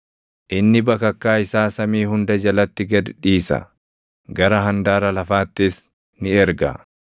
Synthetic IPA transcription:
ʔɪnːɪbɐkɐkːaːɪsaːsɐmiːhʊnd̪ɐd͡ʒɐlɐt̪ːɪɡɐd̪ᶑiːsɐ̰ | ɡɐɾɐɦɐnd̪aːɾɐlɐfaːt̪ːɪs | nɪɛɾɡɐ̰

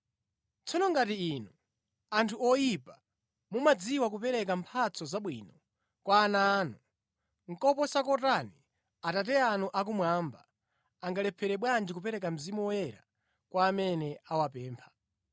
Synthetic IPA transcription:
t͡sɔnɔŋɡatiinu | antʰuɔjipa | mumad͡ziwak̬upɛɾɛk̬ampʰat͡sɔzaɓwiːnɔ | kwaːnaːnu | ŋ̩kɔpɔsakɔtani | atat̬ɛanuʔak̬umwaːmba̰ | aŋɡalɛpʰɛɾɛɓwand͡ʒikupɛɾɛk̬am̩zimuwɔjɛɾa̰ | kwaːmɛnɛawapɛːmpʰḁ

